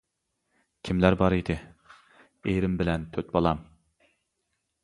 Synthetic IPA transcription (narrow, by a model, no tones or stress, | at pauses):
kʲʰimlæɾbɑɾid̪ɪ | ejɾɪmbɪlɛnt̪ʰøt̪̚bolˠɑm